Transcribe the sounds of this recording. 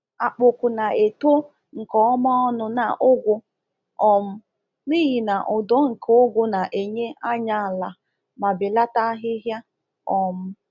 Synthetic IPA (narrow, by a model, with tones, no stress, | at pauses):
a˨k͡pʊ˨kʊ˨na˨e˨to˦ | ŋ̩˨kɔ˦ɔ˦mɔ˦ɔ˦nʊ˨na̰˨ʔʊ˦ɡʷʊ˦ | ɔ˨m̩˦ | ni˦ɣi˨na˨ʔʊ˨dɔ˦ŋ̩˨kʰo˨ʊ˦ɡʷʊ˦na˨ʔe˨ɲe˦a˦ɲa˦a˨la˨ | ma˨bɪ˨la˦ta˦ɦɪ˦ɦja˦ | ɔ˨m̩˦